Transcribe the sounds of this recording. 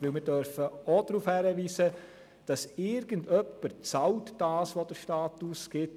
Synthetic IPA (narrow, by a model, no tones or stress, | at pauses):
ʋɪlmɪːɾdœɾfəod̥ɾuːfhæɾəʋiːsə | d̥ɑsɪɾɡəndœpːəɾt͡sɑltd̥aːsʋod̥əɾʃtaːtusɡ̥ɪt